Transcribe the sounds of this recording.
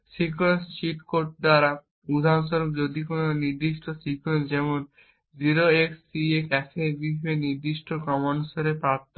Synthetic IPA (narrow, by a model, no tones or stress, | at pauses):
sikuwensʃiʈkoɾʈ̚d̪aɾa | ud̪ʱanʃɔɾobd͡ʑod̪ikononiɾd̪iʃʈʰosikuwensd͡ʑɛmon | d͡ʑiɾoeksːiekɛsebibʱeniɾd̪iʃʈʰokɔmansoɾepɾaɾt̪ʰː